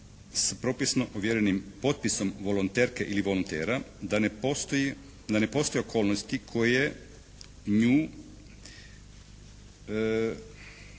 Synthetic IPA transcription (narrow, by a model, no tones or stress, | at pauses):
spɾopisnoʔoʋjeɾenimpo̞t̪̚piso̞mʋolˠont̪eɾkeʔiliʋo̞lont̪ḛːɾad̪ant̪ | d̪anepo̞st̪o̞jeokʰo̞ːlˠnost̪ikʰoje | ɲuː